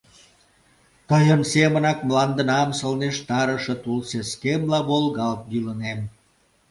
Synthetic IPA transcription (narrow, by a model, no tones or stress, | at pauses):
t̪əjənsemənɑkmlɑnd̪ə̆nɑmsəlneʃt̪ɑɾəʃet̪ulseskemlɑβolɣɑlt̪̚bylənem